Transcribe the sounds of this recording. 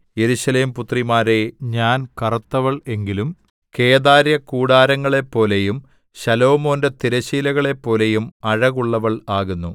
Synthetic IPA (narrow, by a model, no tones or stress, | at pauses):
je̞ɾuɕɐle̞ːmput̪rimaːɾe̞ɲaːnkɐrɐt̪ːɐʋɐɭe̞ŋɡilum | ke̞ːðaːɾjɐkuːɽaːɾɐŋːɐɭe̞pːo̞ːlejum | ɕɐlo̞ːmo̞ːndet̪iɾɐɕiːlɐɣɐɭe̞pːo̞ːle̞jumɐɻɐɣuɭːɐʋɐɭaːɣunːu